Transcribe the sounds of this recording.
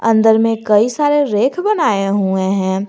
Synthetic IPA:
ɐ̰̃nd̪əɾmẽkɐisaːɾeɾeːkʰbɐnaːeɦuẽɦɛ̃ː

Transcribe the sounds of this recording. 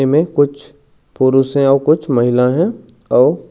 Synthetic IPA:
emẽkʊt͡ʃʰ | pʊɾusẽɔːɾkʊt͡ʃʰmɐɦɪlaɦɛ̃ | ɔːɾ

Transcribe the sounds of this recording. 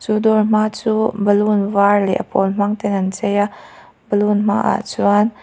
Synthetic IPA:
t͡sud̪ɔrm̥aːt͡suːbəlunvarlɛ̰ʔəpɔlm̥aŋt̪ɛnɐnt͡sɛja | bəlunm̥a̰ːʔa̰t͡suan

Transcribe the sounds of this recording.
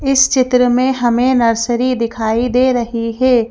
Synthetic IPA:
ɪst͡ʃɪt̪ɾəmẽɦɐmẽnɐɾsəɾid̪ɪkʰaːid̪eːɾɐɦiɦɛː

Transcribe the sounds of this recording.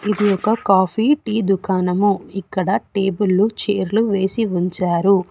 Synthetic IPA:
id̪ijɔkɐkaːpʰiːʈiːd̪ukʰaːnɐmuikːɐɽɐʈe̞ːbulːut͡ʃeːɾluʋe̞ːsiuɲt͡ʃaːɾu

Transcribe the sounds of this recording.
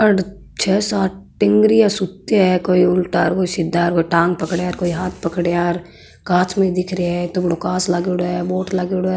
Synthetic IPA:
ɐɽ | t͡ʃʰɛːsaːʈ̚ʈɪ̃ŋɡɾiasʊt̪eɛkoːiʊlʈaːɾkoːisɪd̪ʱːaːɾkoːiʈãːŋɡ̚pɐkɽaːɾkoːiɦaːt̪ʰpɐkɽeaːɾ | kãːt͡ʃʰmẽid̪ɪkʰɾeɛt̪obɽokaːslaːɡeɽoɛboːʈʰlaːɡeɽo

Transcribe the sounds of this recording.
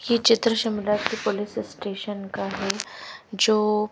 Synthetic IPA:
jet͡ʃɪt̪ɾəʃɐmɪlat̪kipʊlɪssʈeːʃənkaɦɛd͡ʒoː

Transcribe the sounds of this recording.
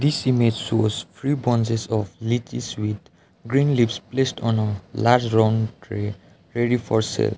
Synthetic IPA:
d̪isimed͡ʒsospʰɾibɔ̃nsesɔflit͡ʃḭswid̪ | ɡɾĩnlipsplesʈɔ̃nəlaɾd͡ʒɾãʊ̃nʈʰɾe | ɾeɾifʰɔɾsḛl

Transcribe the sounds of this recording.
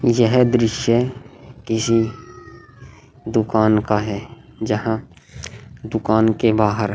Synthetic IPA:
jəɦd̪ɾɪʃjəkɪsi | d̪ʊkaːnkaɦɛː | d͡ʒəɦã | d̪ʊkaːnkebaːɦəɾ

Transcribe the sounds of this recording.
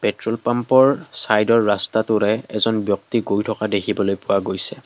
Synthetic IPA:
pɛtɹɔlpampɔɹsajdɔɹːastatʊɹɛɛzɔnbjɔk̚tiɡojtʰɔkadekʰibɔlojpʊwaɡojsɛ

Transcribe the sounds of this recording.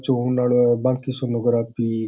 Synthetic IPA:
t͡ʃoɦunaɭbãːŋkisonoɡɾaːpi

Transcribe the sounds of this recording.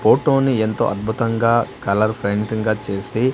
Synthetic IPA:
poːʈoːnient̪oːʔɐt̪̚bʱut̪ɐŋɡaːkɐlɐɾpʰɾeɳʈiŋɡaːt͡ʃe̞ːsi

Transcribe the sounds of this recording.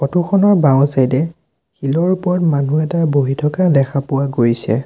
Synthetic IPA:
pɔtʰuxɔnɔɹbaw̃sajdɛ | xilɔɹupɔɹɔtmanuɛtaboɦitʰɔkadɛxʰapʊwaɡojsɛ̰

